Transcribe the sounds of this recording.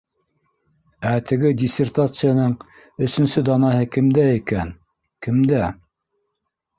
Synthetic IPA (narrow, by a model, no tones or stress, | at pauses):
æt̪ɘ̆ɡɘdʲisʲert̪at̪sɨjanɤɴ | ɵ̆sɵ̆nsɵd̪ɑnɑhɤkɘ̆md̪æikæn | kɘ̆md̪æ